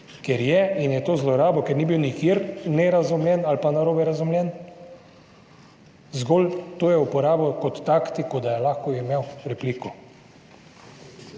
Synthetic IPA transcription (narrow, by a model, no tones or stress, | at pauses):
kɛɾjɛinjɛt̪oːzlɔɾaːbɔkɛɾniːbiwnikiɾnɛɾazumljɛnalpanaɾoːbɛɾazumlʲjɛn | zɡoːlt̪oːjɛupɔɾaːbɔkɔt̪ːaːkt̪ikɔd̪ajɛlaxkɔimewɾɛpliːkɔ